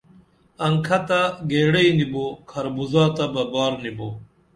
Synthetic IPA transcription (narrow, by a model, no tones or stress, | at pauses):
ɐŋkʰɐt̪aɡeːɽɐinibokʰɐɾbuzaːt̪ɐbɐbaːɾnibo